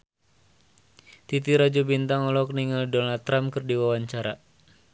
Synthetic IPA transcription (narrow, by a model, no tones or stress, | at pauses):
t̪it̪iɾad͡ʒubint̪aŋɔlɔkniŋaldɔnalt̪ːɾamkɨrdiwawaɲt͡ʃaɾa